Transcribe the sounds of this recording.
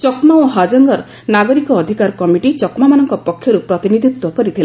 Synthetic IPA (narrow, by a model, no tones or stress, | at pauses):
t͡ʃɔkmaoɦad͡ʒɔŋɡɔɾ | naɡɔɾikɔːd̪ʱikaɾkɔmiʈit͡ʃɔkmamanɔŋkɔpɔkʰːjɔɾupɾɔt̪inid̪ʱit̪wɔkɔɾit̪ʰila